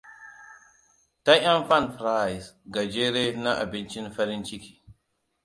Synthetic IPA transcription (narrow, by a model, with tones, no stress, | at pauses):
ta˦a˦mfa˦˨nfɾa˦˨i˨sɡa˨d͡ʒe˦ɾe˦na˦ʔa̰˨bi˦nt͡ʃi˦nfa˦ɾi˦nt͡ʃi˦ki̥˨